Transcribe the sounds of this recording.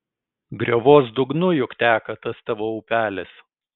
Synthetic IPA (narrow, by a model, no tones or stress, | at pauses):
ɡɾʲoːʋoːsd̪ʊɡnʊjʊkt̪ʲæːkɐt̪ɐst̪ɐʋoːʊpʲæːlʲɛs